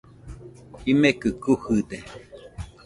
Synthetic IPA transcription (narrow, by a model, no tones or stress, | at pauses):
imekɨkuhɨd̪e